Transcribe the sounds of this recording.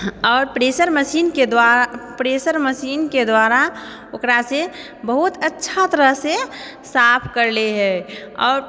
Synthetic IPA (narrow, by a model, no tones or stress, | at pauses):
ɔːɾpɾeːsəɾməsiːnked̪wapɾeːsəɾməsiːnked̪waːɾa | okɾase | bəɦʊt̪ətːʃʰat̪əɾəɦse | saːpʰkəɾleɦɛɔːɾ